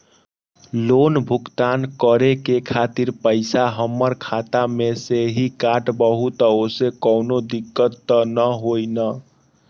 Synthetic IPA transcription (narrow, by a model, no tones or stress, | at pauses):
lonbʱukt̪ankəɾekekʰat̪iɾpəɪsaɦəmːəɾkʰat̪ameseɦikaʈbəɦut̪osekəwnod̪ikːət̪ːənəɦojnə